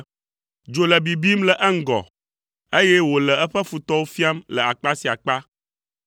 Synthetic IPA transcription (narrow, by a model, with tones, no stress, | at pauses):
d͡ʒo˨lə˨bi˨bi˦mlɛ˨ʔɛ˦ŋ̩˦ɡɔ̰˨ | e˦jɛ˦wo˨lɛ˨ɛ˦ɸɛ˦fu˨t̪ɔ˦wo˦fi˦a˦mlə˨a˨k͡pa˦si˨a˨k͡pa˦